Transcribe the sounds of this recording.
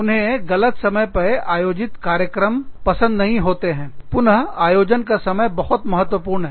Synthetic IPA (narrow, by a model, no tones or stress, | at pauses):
ʊnɦẽɣɐlət̪sɐməjpɐʔaːjoːd͡ʒɪt̪kaːɾjəkɾəmpɐsə̃nd̪nɐɦĩɦoːt̪eɦɛ̃ːpʊnəɦaːjoːd͡ʒənkasɐməjbɐhʊt̪mɐɦət̪ːwəpuːɾnɦɛ